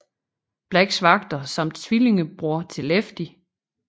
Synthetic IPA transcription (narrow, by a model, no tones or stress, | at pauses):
b̥læɡ̥sʋɑ̈ɡ̥̚d̥ɐsɑm̰d̥t͡sʰʋile̝ŋəb̥ʁuɐt͡sʰe̝lefd̥i